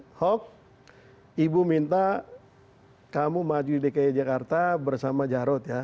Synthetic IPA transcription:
hɔk̚ | ibumint̪a | kamumad͡ʒuidikajad͡ʒakart̪abərsamad͡ʒaɾɔt̪ja

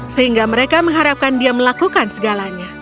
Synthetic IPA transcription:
səhiŋɡaməɾekaməŋɦaɾap̚kandiaməlakukansəɡalaɲa

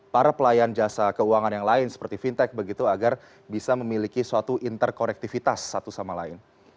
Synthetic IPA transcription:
paɾapəlajand͡ʒasakəuaŋanjaŋlaɪnsə̥pərt̪ifint̪ɛk̚bəɡit̪uaɡar | bisaməmilikisuat̪uʔint̪ərkonɛk̚t̪ifit̪asːat̪usamalaɪn

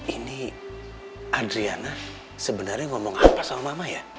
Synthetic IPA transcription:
ini | adɾiana | səbənarɲaŋɔmɔŋapasawmamaja

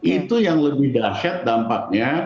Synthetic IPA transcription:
it̪ujaŋləbɪhdaʃat̪̚dampak̚ɲa

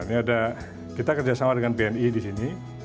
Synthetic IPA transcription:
niada | kit̪akərd͡ʒasamadəŋanpeɛnidisini

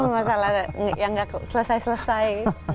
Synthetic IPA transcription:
mamasaladjaŋɡaksələsajsələsaj

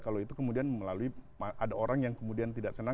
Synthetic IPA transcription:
kaloit̪ukəmudianməlaluimaʔadaoɾaŋjaŋkəmudiant̪idaʔsəna

